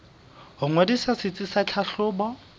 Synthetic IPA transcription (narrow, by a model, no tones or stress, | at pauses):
hʊŋwadisasɪt͡sʼɪsat͡ɬʰaɬʊːbɔ